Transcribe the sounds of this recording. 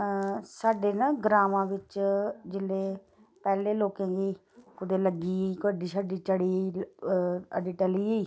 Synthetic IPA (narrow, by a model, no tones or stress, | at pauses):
saːɖeːnaːɡɾaːmãːʋɪt͡ʃd͡ʒɪleː | pɛːleːloːkẽːɡiː | kʊd̪eːləɡiːiːkəɖiːsaːɖiːt͡ʃəɽiːi | ɖiːʈɛliːeiː